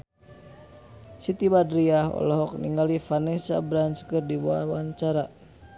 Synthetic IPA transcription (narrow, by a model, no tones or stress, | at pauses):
sit̪ibadɾiahɔ̰lɔɦɔk̚nḭŋɡalifanɛsa̰bɾanskərdibuawaɲt͡ʃaɾa